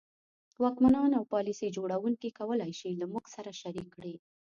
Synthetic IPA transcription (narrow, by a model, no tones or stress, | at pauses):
wɑkmanɑnawpɑlisid͡ʒoɽawuŋkikawəlajʃilamuɡsaɾaʃaɾikːɽi